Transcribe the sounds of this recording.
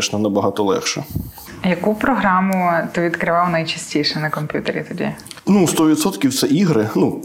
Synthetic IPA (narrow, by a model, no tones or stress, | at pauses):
ɛʃnɐnɐbɐɦɑt̪ɔlˠɛ̰xʃɛ | jɐkupɾɔɦɾɑmʊt̪ɔʋʲid̪kɾɪʋɑlˠɔnɐjt͡ʃisʲtʲijʃɛnɐkɔmʲpʲjut̪eɾʲḭt̪ʊdʲḭnust̪ɔʋʲid̪sɔt̪kʲiwt̪sɛʔiɦɾɪnu